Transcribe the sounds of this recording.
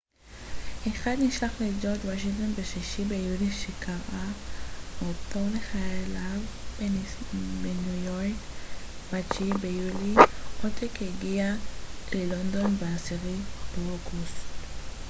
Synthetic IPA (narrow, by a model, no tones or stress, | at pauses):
heχad̪niʃlaχled͡ʒot̪waʃ̬iŋt̪onbeʃiʃibejuliʃikaʁʔaʔotoleχajelav | benujoʁkbat͡ʃibejuliʔotʰekeɡialelond̪o̞nbeasiʁibeoɡustt